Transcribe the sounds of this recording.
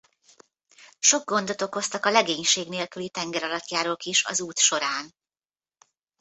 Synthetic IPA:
ʃo̞ɡ̚ɡo̞nd̪ot̪o̞kːo̞st̪ɒkɒlɛɡeːɲʃeːɡneːlkylit̪ɛŋɡɛɾɒlɒt̪jaːɾoːlkiʃɒ̰zuːt̪ʃo̞ɾaːn

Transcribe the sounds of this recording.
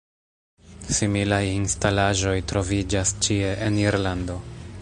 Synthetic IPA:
similajinstalaʒo̞jtɾo̞vid͡ʒast͡ʃie̞ʔeniɾlando̞

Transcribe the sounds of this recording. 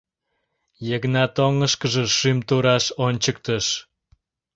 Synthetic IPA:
jəɣnɑt̪oŋəʃkəʒĕʃymt̪uɾɑʃonʲt͡ɕək̚t̪əʃ

